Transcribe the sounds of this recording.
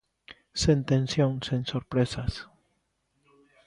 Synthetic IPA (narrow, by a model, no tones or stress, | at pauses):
sẽnt̪ẽnsjõnsensoɾpɾesas